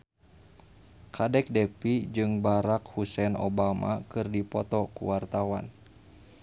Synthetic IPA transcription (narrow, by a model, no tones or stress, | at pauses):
kʰadɛk̚dɛpid͡ʒɨŋbaɾak̚husɛno̰bama̰kɨrdipɔt̪ɔkṵwart̪awan